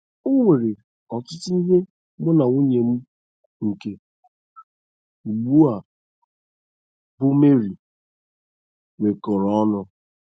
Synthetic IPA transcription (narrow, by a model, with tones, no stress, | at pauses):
ʊ˦ŋʷe˨ɾe˨ | ɔ˨tʊ˦tʊ˦i˦ɦe˦ | ɡ͡bʊ˦na˨u˦ɲe˨m̩˦ | ŋ̩˨ke˦ | u˨ɡ͡bu˦a˨ | bʊ˦me˦ɾi˨ | we˨kɔ˨ɾɔ˦ɔ˦nʊ˦